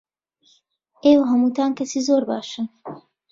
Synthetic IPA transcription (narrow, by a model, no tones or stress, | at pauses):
ʔeːwɐɦɐmuːt̪ʰaːnkʰɐsiːzoːɾba̰ːʃɨn